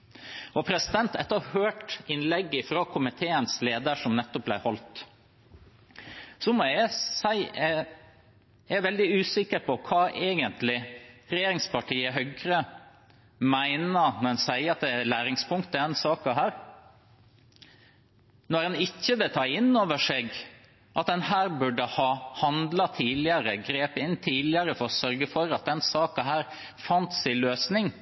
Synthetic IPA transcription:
ɔpʰɾɛsɪd̪ɛnt̪ɛt̪ːəɑhøːʈɪnlɛɡːɪfɾɑːkʰʊmɪt̪ʰeːənsleːd̪əʂɔmnɛt̪ːɔp̚blæɪhɔlt̪ | sɔmɔæsæɪ | æʋɛld̪ɪʉːsɪkːəɾpʰɔkʰɑːʔeːɡənt̪lɪɾɛjeːɾɪŋspɑʈʰiːəɦœɡɾə | mæɪnənɔɾɛnsæɪəɑt̪̚d̪ɛlæːɾɪŋspʰʊŋkt̪əɛnsɑːkɑɦæːɾ | nɔɾɛnɪçːəʋɪlt̪ʰɑːɪnːoːʋəʂeːɡ | ʔɑt̪̚d̪ɛnhæːɾbʉɖəhɑːhɑnd̪lɑt̪ʰiːlɪəɾəɡɾeːpəɪnt̪ʰiːlɪəɾəfɔɾɔsœɾɡəfɔɾɑt̪̚d̪ɛnsɑːkɑɦæːɾ | fɑnt̪sɪløːsnɪŋ

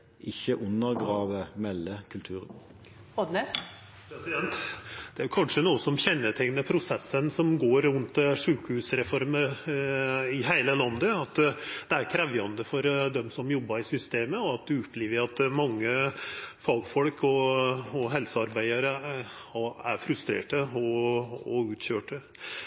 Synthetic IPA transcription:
ʔɪçəʔʉnəʁɡʁɑːʋəmɛlːəkʰʉlt̪ʰʉːʁə | ɔd̪ne | pʰɾɛsɪd̪ɛnt̪d̪̥ɛæɾjʉkʰɑnʂənuːəsɔmçɛnːəʈʰɛŋnəpʰɾʊsɛsːənsɔmɡoːɾːʉnt̪ʂʉːkhʉːsɾɛfɔɾmə | ɪɦæɪləlɑnd̪əɑt̪d̪̥ɛæɾkʰɾɛʋjɑnd̪əfɔɾd̪ɛmsɔmjɔbːɑɾɪsʏst̪eːməɔɑt̪̚d̪ʉʊpʰːliːʋəɑt̪mɑŋːəfɑːɡfɔlkʰɔɔɦɛlsəɑɾbæɪɑɾəhɑæɾfɾʉst̪ɾḛːʈəɔɔʉːt̪ɕøːʈə

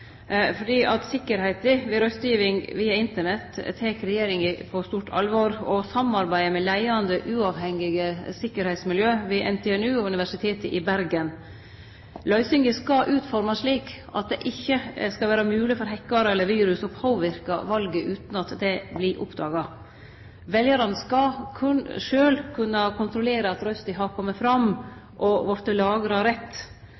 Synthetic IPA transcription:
fɔɖiːʔɑt̪sɪkːəɾhæɪt̪ɪʋɪɾœst̪jiːʋɪŋʋiːɑɪnt̪əɳɛt̪t̪ʰeːkɾɛjeːɾɪŋɪpʰɔst̪uːʈʰɑ̰lʋoɾɔsɑmɑɾbæɪmɛlæɪɑnd̪əʔʉːɑːʋhɛŋɪɡəsɪkːəɾhɛɪt̪smɪljøːʋɪʔɛ̰nt̪ʰɛɛnʉːɔʉnɪʋæʂɪt̪ʰeːt̪əʔɪbæɾɡən | lœʏsʏŋəskɑʔʉːt̪fɔɾmɑʂɭiːk | ɑ̰t̪̚d̪ɛʔɪçːəskɑʋæːɾɑmʉːlɪfɔɾɦɛkːɑɾəɛlːəɾʋiːɾʉsɔpʰoːʋɪɾkɑ̰ʋɑlɡəʔʉːt̪nɑt̪d̪ɛblɪʔʊ̰pd̪ɑːɡɑ | ʋɛljəɾɑnskɑkʰʉnʂøːlkʰʉnːəkʰʊnt̪ɾʊleːɾəɑt̪ɾœst̪ɪɦɑɾkʰɔmːəfɾɑm | ʔɔʋɔɾt̪əlɑːɡəɾhɑɾɛt̪ː

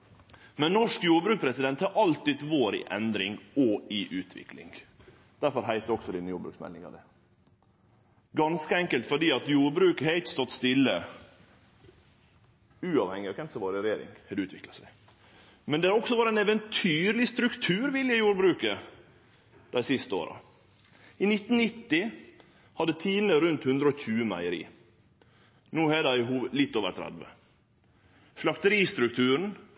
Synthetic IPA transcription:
mɛnnɔʂkjuːɾbɾʉːk̚pʰɾɛsɪd̪ɛnt̪hɑɾʔɑlt̪ɪd̪ʋoːɾɪ̰ʔɛ̰nd̪ɾɪŋɔɪʔʉːt̪ʰʋɪ̰klɪ̰ŋ | d̪̥æɾfɔɾɦæɪt̪əɔksɔd̪ɪnjuːɾbɾʉ̰ksmɛ̰lnɪŋɑ̰d̪ɛ | ɡɑnskəɛŋkəlt̪fɔɖiːɑt̪juːɾbɾʉːkəheɪçːəst̪ɔt̪ːst̪ɪlːə | ʉːɑʋhɛŋːɪɑkʰɛnsəʋoːɾɪɾɛjeːɾɪ̰ŋhɛd̪ʉːt̪ʋɪklɑsæɪ | mɛnd̪ɛhɑɾɔksɔʋɑːɾəæɛnɛʋənt̪ʰyːɾlɪst̪ɾʉkt̪ʰʉːɾʋɪljəjuːɾbɾʉːkə | d̪̥æɪsɪst̪əo̰ːɾɑ̰ | ɪnɪt̪ːn̩nɪt̪ːɪ | hɑd̪ət̪ʰiːn̩əɾʉnt̪hʉnd̪ɾəɔçʉːəmæ̰ɪəɾḭː | nuːhɛd̪æɪɦuːlɪt̪ːoːʋə̰ɾt̪ʰɾæ̰d̪ʋə̰ | ʂlɑkt̪əɾiːst̪ɾʉk̚t̪ʰʉːɾɳ̩

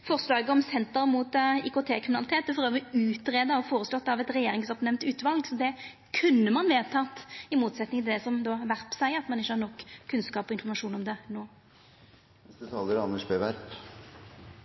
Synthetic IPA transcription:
fɔʁslɑːɡəɔmsɛnt̪əɾmut̪ɪkʊt̪ʰeːkʰɾɪmnɑlɪt̪ʰeːt̪̚ːɔfɔɾøːʋəɔʉːt̪ɾeːd̪əɔfoːɾəslɔt̪ːɑʋɛt̪ɾɛjeːɾɪŋsɔpnɛmnt̪ʉːt̪ʋɑlɡsɔd̪ɛ | kʰʉnːəmɑnʋeːt̪ʰɑːt̪ːɪmuːt̪sɛt̪nɪŋt̪ɪd̪ɛsɔmd̪oːʋæɾpsæɪɑt̪mɑnɪçːəhɑɾnɔkːʰʉnskɑːpɔɪnfɔʁmɑʂuːnɔmd̪ɛnoː | nɛst̪ət̪ʰɑːləɾɑnːəʂbeʋæɾp

